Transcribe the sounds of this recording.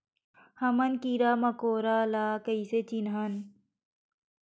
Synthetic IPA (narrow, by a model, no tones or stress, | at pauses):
hɐmɐnkiɾaːmɐkoːɾaːlaːkɐiset͡ɕinɦɐn